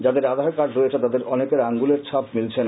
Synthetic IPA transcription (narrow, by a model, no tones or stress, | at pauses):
d͡ʑad̪eɾad̪ʱaɦekaɖɾoet͡ɕʰet̪ad̪eɾɔnekeɾaŋɡuleɾt͡ɕʰap̚milt͡ɕʰen